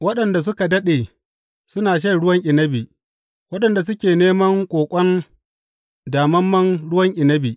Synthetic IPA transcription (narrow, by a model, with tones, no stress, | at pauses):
wɐ˦ɗɐ˨nda˨s̬ʊ˦ka˨dɐ˦ɗeː˨ | sʊ˦naː˨ʃ̬e˦˨ɽʊ˦wɐ˦ŋʔɪ˨nɐ˦bi˨ | wɐ˦ɗɐ˨nda˨s̬ʊ˦kʲeː˨neː˦mɐ˦ŋkʷʼoː˨kʷʼɐ˦n | daː˨mɐ˦mːɐ˦nɽʊ˦wɐ˦ŋʔɪ˨nɐ˦bi˨ʔ